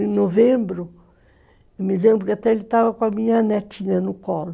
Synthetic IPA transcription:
ẽnovẽmbɾʊ | emɪlẽmbɾʊkɪat̪ɛelɪt̪avɐkõɐmĩɲɐnɛt̪ĩɲɐnʊkɔlʊ

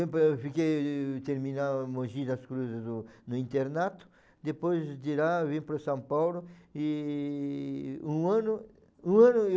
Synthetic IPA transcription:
ẽpfikejt̪eɾmĩnamoʒid̪ɐskɾuzezd̪ʊnʊĩnt̪eɾnat̪ʊ̥ | d̪epojzd̪iɾaβĩmpɾosãmpawlʊi | ũãnʊ | ũãnʊ

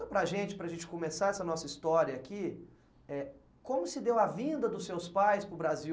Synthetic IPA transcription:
ɐpɾɐʒẽnt͡ʃɪ̥pɾɐʒẽnt͡ʃɪ̥komesaɾɛsɐnɔsɐist̪ɔɾjɐːki | ɛ | kõmʊsɪd̪ewɐvĩnd̪ɐd̪ʊsːewspajspɾʊbɾazi

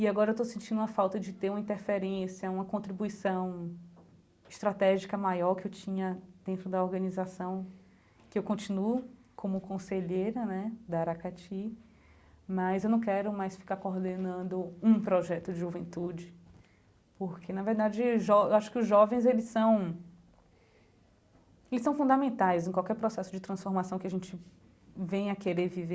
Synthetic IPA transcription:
iaɡɔɾɐewt̪osẽnt͡ʃĩnd̪ũɐfawt̪ɐd͡ʒɪt̪eɾũmɐĩnt̪eɾfeɾẽsjɐũmɐkõt̪ɾibuisɐ̃w̃ | ɪʃt̪ɾat̪ɛʒikɐmajɔɾkɪewt͡ʃĩɲɐd̪̥ẽnt̪ɾʊd̪ɐɔɾɡɐ̃nizasɐ̃w̃ | kɪewkõnt͡ʃĩnuʊ | kõmʊkõseʎejɾɐnɛd̪aɾakat͡ʃi | mɐzewnɐ̃w̃kɛɾʊmajsfi̥kaɾkoɾd̪enɐ̃nd̪ʊũpɾɔʒɛt̪ʊd͡ʒɪʒuvẽnt̪ud͡ʒɪ | poɾkʰenɐveɾd̪ad͡ʒɪʒɔewaʃʊ̥kɪʊzʒɔvẽj̃zelɪsɐ̃w̃ | elɪsɐ̃w̃fũnd̪amẽnt̪ajzẽkwawkɛɾpɾɔsɛsʊd͡ʒɪt̪ɾɐ̃sfoɾmasɐ̃w̃kɪaʒẽnt͡ʃɪ | vẽj̃ɐkeɾeɾvive

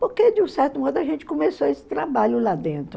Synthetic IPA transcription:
poɾked͡ʒɪũsɛɾt̪ʊmɔd̪ʊaʒẽnt͡ʃɪ̥kõmesoesɪ̥t̪ɾabaʎʊlad̪ẽnt̪ɾʊ

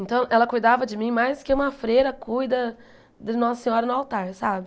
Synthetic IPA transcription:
ẽnt̪ɐ̃w̃ʔɛlɐkujd̪avɐd͡ʒɪmĩmajskɪũmɐfɾeɾɐkujd̪ɐ | d̪ɪnɔsɐsẽɲɔɾɐnʊawt̪aɾsabɪ

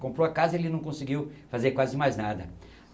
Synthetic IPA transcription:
kõmpɾoakazɐelɪnɐ̃w̃kõsɪɡiwfazeɾkwazɪmajznad̪ɐ

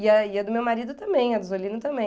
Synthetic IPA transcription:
iɐiɐd̪ʊmewmaɾid̪ʊt̪ɐ̃mbẽj̃ɐd̪ʊzolĩnʊt̪ɐ̃mbẽ

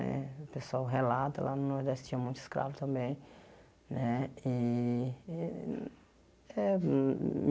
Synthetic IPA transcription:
ɛ̰pesowɦelat̪ʊlannõd̪ast̪ĩɐ̃mũj̃t̪ʊ̥skɾa̰vʊt̪ɐ̃mbẽj̃ | nɛi | ɛ | m

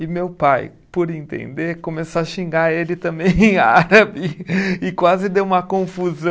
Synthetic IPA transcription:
ɪmewpaj | poɾẽnt̪ḛ̃nd̪eɾkõmesoɐʃĩŋɡaelɪt̪ɐ̃bẽj̃ẽj̃aaɾabɪɪkwazɪd̪ewũmɐkõfuzɐ̃

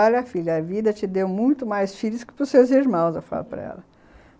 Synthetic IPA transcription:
alɐfiʎɐɐvid̪ɐt͡ʃɪd̪ewmũj̃t̪ʊmajsfiʎʊskɪ̥pɾʊsewziɾmɐ̃w̃zewfa̰lʊpɾɐ̰ɛ̰lɐ

